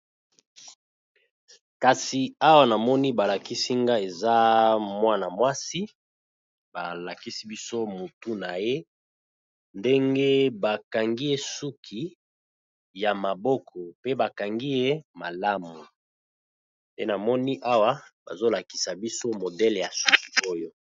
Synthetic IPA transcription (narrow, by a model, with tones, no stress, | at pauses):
ka˨si˨a˦wa˦na˨mɔ˦ni˦ba˨la˨ki˦si˦ŋɡa˦e˨za˦mwa˦na˨mwa˦si˦ | ba˨la˨ki˦si˦bi˦so˦mo˨tu˦na˨je˦ | nde˦ŋɡe˦ba˨ka˨ŋɡi˦je˦su˦kʰi˨ | ja˨ma˨bɔ˦kʰɔ˨pe˦ba˨ka˨ŋɡi˦je˦ma˨la˦mu˨ | nde˦na˨mɔ˦ni˦ʔa˦wa˦ba̰˨zo˦la˨ki˨sa˨bi˦so˦mo˨dɛ˦le˨ja˨su˦ki˨o˦jo˦